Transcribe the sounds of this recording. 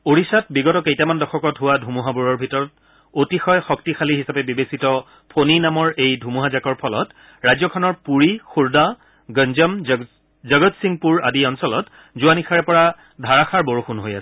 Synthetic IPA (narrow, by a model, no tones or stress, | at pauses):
oɹisat̚biɡɔtɔkejtamandɔxʰɔkɔtɦʊwadʱumuɦabuɹɔɹbʱitɔɹɔt | otixɔjxɔktixʰaliɦisapɛbibesitɔ | pʰoninamɔɹejdʱumuɦazakɔɹpʰɔlɔ̰t | ɹajzɔkʰɔnɔɹpuɹixuɹda | ɡənzɔm | zɔɡɔtsiŋpuɹa̰diɔnsɔlɔt | zʊanixʰaɹɛpɔɹa | dʱaɹaxʰaɹbɔɹoxunɦoja̰sɛ